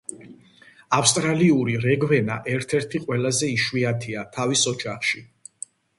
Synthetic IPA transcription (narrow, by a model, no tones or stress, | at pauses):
afst̪ʼɾaliuɾiɾɛɡvɛna̰ʔɛɾt̪ʰɛɾt̪ʰiqʼwɛlazɛiʃwiat̪ʰiat̪ʰavisɔd͡ʒaχʃi